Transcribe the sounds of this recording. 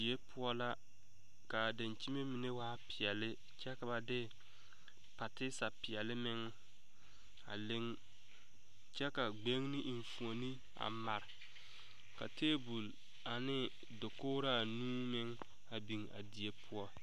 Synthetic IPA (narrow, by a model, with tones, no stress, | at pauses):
i˨e˦pʰʊ˦ɔ˦la˦ | ka˨da˨nt͡ʃi˦me˦mi˨ne˦waː˦pɪ˨ɛ˨lɪ˦ | t͡ʃɛ˦ka˨ba˨dɪ˦ | pa˨tɪ˦sa˨pɪ˨ɛ˨lɪ˦mɪ˦ŋ | a̰˨lɪ˦ŋ | t͡ʃɛ˦ka˨ɡ͡be˦ŋnɪ˦ʔɱ˨fu˨o˨ni˦ | a̰˨ma˨ɾɪ˨ | ka˨teː˦bu˨l | a˨nɪ˦ | dʊ˨kʊː˦ɾa˦˨nũː˦mɪ˦ŋ | a˨bi˨ŋa̰˨di˨e˦pʰʊ˦ɔ˦